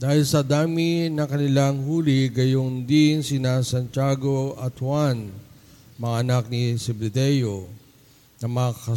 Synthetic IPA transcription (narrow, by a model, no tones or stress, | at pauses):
d̪̥aːhɪlsɐd̪aːminɐkɐnɪlaŋhuːlɪɡɐjond̪insɪnasɐnt͡ʃaːɡo̞ɐt̪hwan | mɐŋaʔɐnak̚nisɛblɪd̪ɛjo̞ | nɐmɐkɐ